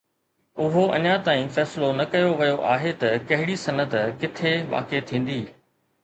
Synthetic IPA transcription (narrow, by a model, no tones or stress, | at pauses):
ʊɦoɐ̰ɲat̪aːĩfɛːsɪlonɐkɐjoʋɐjoʔaːɦet̪ɐkɐɦɪɽisɐnət̪kɪt̪ʰeʋa̰ːket̪ʰĩːn̆d̪iː